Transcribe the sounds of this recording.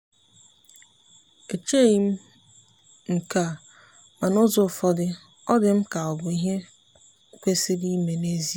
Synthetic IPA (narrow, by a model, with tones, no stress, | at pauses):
e˨t͡ʃe˦˨ji˨m̩˦ | ŋ̩˨ka˨ | ma˨nʊ˦zʊ˦˨fɔ˦dɪ˦ | ɔ˦dɪ˨m̩˦ka˨ɔ˨bʊ˨i˦ɦe˦ | kʷe˦sɪ˦di˦me˨ne˦zi˦